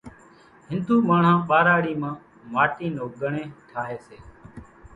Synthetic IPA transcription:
ɦɪnd̪uːmaːɳ̤ãːɓaːɾaːɽiːmãː | maːʈiːnoːɠəɳẽːʈʰaːɦeːseː

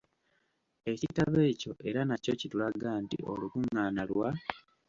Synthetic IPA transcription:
e̞citaβe̞ːco̞ʔe̞ɾanaco̞citulaɡaːntḭo̞̰lukuŋːaːnalwa

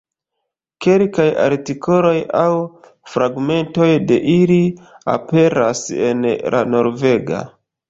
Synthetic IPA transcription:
ke̞lkaja̰ɾtikʰo̞lo̞jaw | fɾaɡme̞nto̞jde̞ʔilia̰pe̞ɾase̞̰nlʔa̰no̞ɾve̞ɡa̰

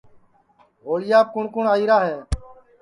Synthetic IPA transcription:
ɦoːɭɪjaːp̚kʊɳkʊɳaːiːɾaːɦɛː

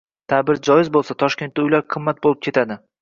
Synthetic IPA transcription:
t̪ʰabɪɾd͡ʒɒjɪzbolˠsat̪ʰɒʃkʲe̞nt̪ːaʊjlaɾqʰɨmːat̪̚bolˠɪp̚kʲʰe̞t̪ʰad̪ɪ

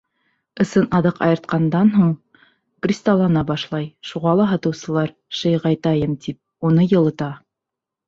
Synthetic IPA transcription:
ɤ̆sɤnɑðɤqɑ̰jɤ̆ɾt̪̚qɑnd̪ɑnɦuɴ | krʲist̪ɑlˠɑnɑbɑʃlˠɑjʃuʁɑlˠɑɦɑt̪ɤ̆wsɤ̆lˠɑɾ | ʃɤjʁɑjt̪ɑjɤmt̪ip̚ | unɤjɤ̆lˠɤ̆t̪ɑ

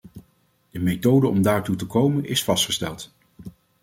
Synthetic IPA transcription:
d̥əmejtowdəɔmdaːɹtutəkowmənɪsfɑstχəstɛ̰lˠt

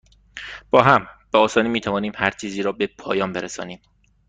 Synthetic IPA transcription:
b̥ɒːɦæmb̥eɒːsɒːniːmiːt̪ʰævɒːniːmhæɾt͡ʃʰiːziːɾɒːbepʰɒ̰ːjɒːmbe̞ɾesɒ̰ːniːm

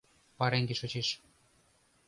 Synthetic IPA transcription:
pɑɾeŋɡeʃot͡ɕeʃ

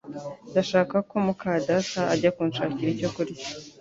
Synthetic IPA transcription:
ndaʃaːkako̞mukaːdasaaɟakuːnʃaːciɾico̞kuɾi

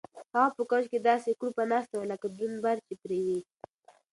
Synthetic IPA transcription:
haɣapəkat͡ʃked̪ɑsekuɾpanɑst̪awalakad̪unbaɾt͡ʃepɾewi

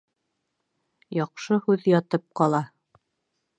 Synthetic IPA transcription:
jɑqʃɤhʉðjɑt̪ɤp̚qɑlˠɑ

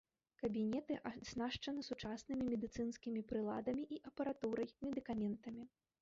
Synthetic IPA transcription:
kɐbʲinʲɛt̪ɨʔaznaʂt͡ʂɐnɨsut͡ʂasnɨmʲimʲɛd̪ɨt̪sɨnskʲimʲipɾɨlˠad̪ɐmʲiʔiʔɐpɐɾat̪uɾɐjmʲɛd̪ɨkamʲɛnt̪ɐmʲi

